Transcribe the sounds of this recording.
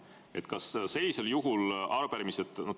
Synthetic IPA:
e̞t̪kɑsse̞lʲːise̞ljuɦulɑɾupæɾimiset̪ˑno

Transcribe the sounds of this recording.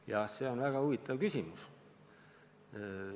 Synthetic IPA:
jɑse̞ːo̞nvæɡ̥ɑuvit̪ːˑɑvkysʲimus

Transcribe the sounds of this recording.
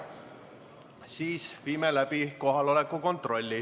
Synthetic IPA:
siːsviːmelæb̥iko̞ɦɑlo̞le̞kːˑuko̞nt̪ro̞lʲːi

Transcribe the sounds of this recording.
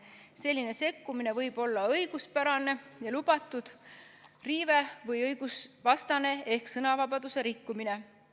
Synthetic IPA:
se̞lʲːine̞se̞kːumine̞vɤjb̥o̞lːɑɤjɡ̥uspæɾɑne̞jɑlub̥ɑt̪ːˑud̪̥ | riːve̞vɤjɤjɡ̥usvɑst̪ɑne̞ehksɤnɑvɑbɑd̪use̞ɾikːumine̞

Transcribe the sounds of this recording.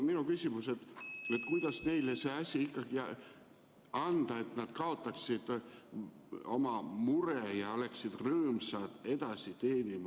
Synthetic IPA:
minukysʲimuse̞t̪ːet̪kujd̪̥ɑsne̞jleseːɑsʲiikːɑɡ̥i | ɑnd̪̥ɑe̞t̪nɑd̪̥kɑo̞t̪ːˑɑksid̪̥ | o̞mɑmuɾejɑole̞ksid̪̥røːmsɑd̪̥e̞d̪ɑsit̪eːnʲimɑ

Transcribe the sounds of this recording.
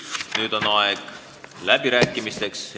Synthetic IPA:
nyːd̪̥o̞nɑeɡ̥ | læb̥iɾæːkːˑimist̪e̞ks

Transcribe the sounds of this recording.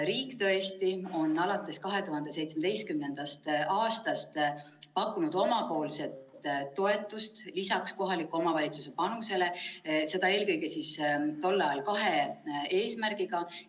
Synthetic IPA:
ɾiːkːt̪ɤ̞e̞st̪io̞nːɑlɑt̪ːˑe̞skɑɦe̞t̪uɦɑnd̪e̞se̞jt̪smed̪e̞jst̪̚kymne̞nd̪̥ɑst̪ʔɑːst̪ɑst̪ | pɑkːˑunud̪̥o̞mɑpo̞ːlse̞t̪ːo̞e̞t̪ːˑust̪lisɑksko̞ɦɑlikːˑuo̞mɑvɑlʲit̪suse̞pɑnuse̞le̞se̞d̪̥ɑeːlkɤjɡe̞sist̪o̞lːɑjɑlkɑɦe̞e̞ːsmærɡ̥iɡ̥ɑ

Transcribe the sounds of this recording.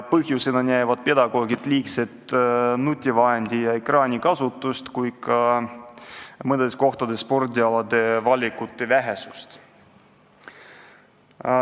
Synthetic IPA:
pɤɦjuse̞nɑnjæjvɑd̪̥̚pe̞d̪ɑɡ̥o̞ːɡit̪ːˑliːkse̞t̪ˑnut̪ʲːivɑɦend̪̥ʲijɑe̞krɑːnʲikɑsut̪ːˑust̪kujkɑ | mɤnd̪esko̞ht̪ɑd̪̥esːpo̞rd̪ʲiɑlɑd̪̥e̞vɑlʲikut̪ːˑevæɦe̞sust̪

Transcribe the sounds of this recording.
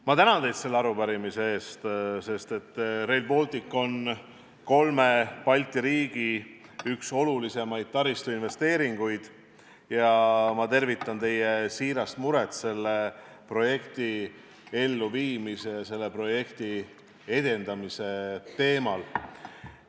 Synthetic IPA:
mɑt̪ænɑnd̪ejd̪se̞lːeɑɾupæɾimise̞e̞ːst̪se̞st̪e̞t̪ːˑrejlbo̞lt̪ˑikːˑo̞n | ko̞lme̞pɑlʲt̪ˑiɾiːɡ̥iykso̞lulise̞mɑjd̪̥̚t̪ɑɾist̪uinve̞st̪e̞ːɾiŋɡ̥ujd̪̥ | jɑmɑt̪e̞rvit̪ˑːɑnt̪e̞jesiːɾɑst̪muɾe̞t̪se̞lːe̞ | pro̞je̞kt̪i | e̞lːuviːmise̞jɑse̞lːe̞pro̞je̞kt̪i | e̞d̪e̞nd̪ɑmise̞t̪e̞ːmɑl

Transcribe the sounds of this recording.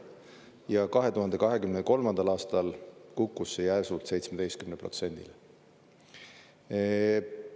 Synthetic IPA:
jɑkɑɦe̞t̪uɦɑnd̪̥e̞kɑɦe̞kymneko̞lmɑnd̪̥ɑlɑːst̪ɑlkukːˑusːejæsult̪se̞jt̪smed̪e̞jst̪̚kymnepro̞t̪se̞nʲd̪̥ḭl

